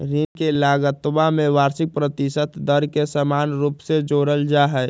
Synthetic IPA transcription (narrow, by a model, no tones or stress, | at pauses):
ɾimkelaɡət̪ʋamẽʋaːɾsɪk̚pɾət̪ɪʃət̪d̪əɾkesəmaːnɾuːpsed͡ʒoːɾəld͡ʒaɦɛ